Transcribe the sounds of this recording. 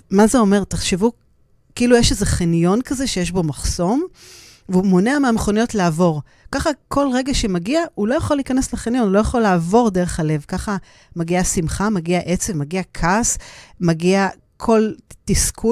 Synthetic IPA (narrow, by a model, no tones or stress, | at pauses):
mazeo̞me̞ʁtaχʃevu | kiilujeʃezeχinjo̞nkaze̞ʃe̞jeʃbo̞maχso̞m | veumo̞neameameχo̞nijo̞tlaːvo̞ʁ | kaχakʰo̞lʁe̞ɡaʃe̞maɡiaulo̞jaχo̞liːkanesleχinijo̞nulo̞jaχo̞laːvo̞ʁdeʁeχhale̞vkaχa | maɡiasimχamaɡiaʔe̞t͡sevmaɡiakʰasmaɡia | kʰo̞ltiskʰu